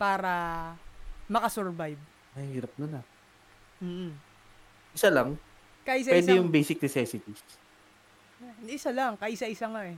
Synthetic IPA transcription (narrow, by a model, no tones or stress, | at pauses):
paːɾɐ | mɐkɐsɛɹvajb̚ | mɐhhiːɾɐp̚nonɐ | m̩ːʔ̩ | ʔɪsalaŋ | kaʔɪs̬awɪɛd̪ɛjʊŋbejsɪk̚nɛsɛːsɪt̪is | ʔɪsalɐŋkaʔɪsaʔɪsaŋaʔɛ